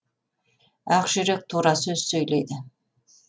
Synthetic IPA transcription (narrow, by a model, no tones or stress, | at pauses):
æqʒɪɾek̚t̪ʰuɾɑsɵz̥sɵjlejd̪ɪ